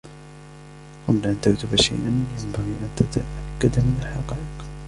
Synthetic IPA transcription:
qablaʔant̪akt̪ʊbaʃa̰jʔanjambaɣiːʔant̪at̪aʔakːad̪amɪnalħɑqɑːʔɪq

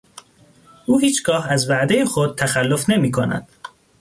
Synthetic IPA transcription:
ʔuːɦiːt͡ʃʰɡ̥ɒːhæzvæʔd̪e̞jexod̪̥̚t̪ʰæxælːo̞fne̞miːkʰonæ̰d̪̥

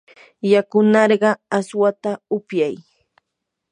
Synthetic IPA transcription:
jakʊnɑɾɢɑaswat̪aʊpjaj

